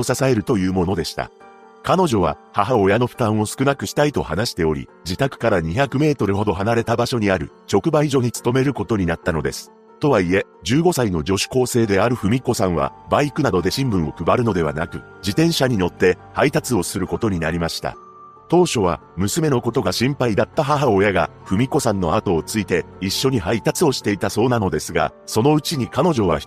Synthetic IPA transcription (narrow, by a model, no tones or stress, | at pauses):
osasae̞ɾɯ̟t̪o̞jɯ̟ːmo̞no̞d̪e̞ɕi̥t̪a̰ | kano̞ʑo̞β̞a̰haɦao̞jano̞ɸɯ̟̥t̪ãɰ̃o̞sɨ̥kɯ̟nakɯ̟ɕi̥t̪ait̪o̞̰hanaɕi̥t̪e̞o̞ɾʲḭ | d͡ʑit̪akɯ̟̥kaɾaɲ̟içakɯ̟me̞ːt̪o̞ɾɯ̟ho̞d̪o̞ɦanaɾe̞t̪abaɕo̞ɲ̟iaɾɯ̟t͡ɕo̞kɯ̟baiʑo̞ɲ̟it͡sɨ̥t̪o̞me̞ɾɯ̟ko̞t̪o̞ɲ̟inat̪ːano̞d̪e̞sɨ̥ | t̪o̞βaie̞ | d͡ʑɨːɡo̞saino̞d͡ʑo̞ɕi̥ko̞ːse̞ːd̪e̞aɾɯ̟ɸɯ̟mʲiko̞sãɰ̃βa̰baikɯ̟nad̪o̞d̪e̞ɕĩmbɯ̟̃ɰ̃o̞kɯ̟baɾɯ̟no̞d̪e̞βa̰na̰kɯ̟ | d͡ʑit̪ẽ̞ɰ̃ɕaɲ̟ijo̞t̪ːe̞hait̪at͡sɨo̞sɨɾɯ̟ko̞t̪o̞ɲ̟inaɾʲimaɕi̥t̪a̰ | t̪o̞ːɕo̞β̞a̰ | mɯ̟sɨme̞no̞ko̞t̪o̞ɡaɕĩmpaid̪at̪ːaɦaɦaojaɡa | ɸɯ̟mʲiko̞sãnːo̞at̪o̞ːt͡sɨit̪e̞iɕːo̞ɲ̟iɦait̪at͡sɨo̞ɕi̥t̪e̞it̪aso̞ːnano̞d̪e̞sɨɡa̰so̞no̞ɯ̟t͡ɕiɲ̟ikano̞ʑo̞βa̰